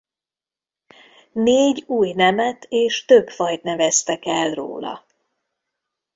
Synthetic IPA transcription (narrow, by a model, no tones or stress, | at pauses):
neːɟuːjnɛmɛt̪eːʃt̪øbfɒjt̪nɛvɛst̪ɛkɛlro̰ːlɒ̰